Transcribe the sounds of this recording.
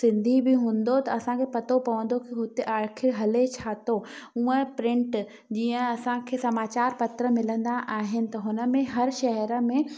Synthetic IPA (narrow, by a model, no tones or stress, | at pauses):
sɪ̃nd̪ʱibʱɪɦũːn̆d̪ot̪ɐɐsãkʰepɐt̪opɐʋə̃nd̪okiɦʊt̪eʔaːɾkʰɪɽɦɐlet͡ɕʰaːt̪oũːə̃pɾɪ̃ɳʈ | d͡ʑiːə̃ɐsãkʰeːsɐmaːt͡ɕaːɾpɐt̪ɾə̆mɪlə̃nd̪aʔaːɦɪnɪ̆t̪ɐɦʊnə̆mẽɦɐɾʃɐɦəɾə̆mẽ